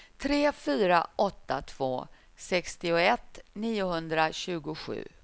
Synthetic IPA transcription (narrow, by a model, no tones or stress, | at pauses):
t̪ʰɾeːfyːɾa̰ʔɔt̪ːa̰t̪ʰv̥o̰ː | sɛkst̪ɪʊɛt̪ːniːʊɦɵnd̪ɾaɕʉ̟ːɡʊɧʉ̟̰ː